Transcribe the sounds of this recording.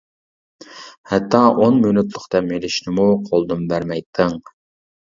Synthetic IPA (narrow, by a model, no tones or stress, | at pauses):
hɛt̪ʰːɑːʔonmynyt̪lˠʊχt̪ɛmelɪʃnɪmuqʰolˠd̪umbæɾmɛjt̪ʰːɪŋ